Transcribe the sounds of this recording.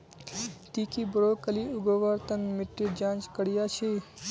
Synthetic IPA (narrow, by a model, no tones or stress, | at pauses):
t̪iːkibɾoːkəliuɡoʋəɾt̪ənmɪʈːɾid͡ʒãːnt͡ʃkəɽijat͡ʃʰe